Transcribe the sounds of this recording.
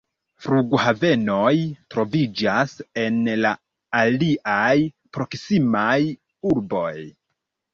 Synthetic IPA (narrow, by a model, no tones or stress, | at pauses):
fɾuɡhave̞no̞jtɾo̞vid͡ʒase̞nlaː | liʔaj | pɾo̞ksimaj | uɾbo̞j